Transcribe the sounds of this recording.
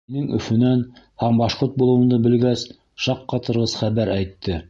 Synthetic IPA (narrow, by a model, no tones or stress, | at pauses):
inɘŋɵ̰̆fɵ̆næn | hæmbɑʃqoɾt̪̚bulˠɤ̆wɤ̆nd̪ɤbɘ̆lɡæs | ʃɑqːɑt̪ɤ̆ɾʁɤzχæβæɾæjt̪ːɘ